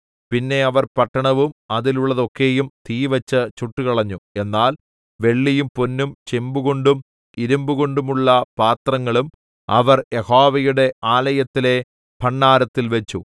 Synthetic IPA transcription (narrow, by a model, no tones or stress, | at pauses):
pinːe̞ɐʋɐrpɐʈːɐɳɐʋumɐðiluɭːɐðo̞kːe̞ːjumt̪ʰiːʋɐt͡ɕːɨt͡ɕuʈːukɐɭɐɲːue̞nːaːl | ʋe̞ɭːijumponːumt͡ɕembuɣoɳɖum | iɾumbuɣo̞ɳɖumuɭːɐpaːt̪rɐŋːɐɭum | ɐ̰ʋɐrjehoːʋɐjuɽe̞ʔaːlɐjɐt̪ːile̞ | pʰɐɳːaːɾɐt̪ːilʋet͡ɕːu